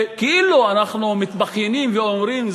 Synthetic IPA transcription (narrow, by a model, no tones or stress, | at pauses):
keiluanaχnumit̪baχjenimveomɾimz